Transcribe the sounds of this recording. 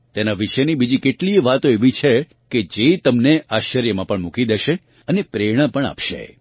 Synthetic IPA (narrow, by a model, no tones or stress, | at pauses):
t̪enaʋiʃəjnibid͡ʒikeʈliʋat̪oeʋit͡ʃʰe | ked͡ʒet̪əmneaʃəɾjəmãpəɳmukid̪eʃe | ənepɾeɽ̃ãpəɳa̰pʃḛ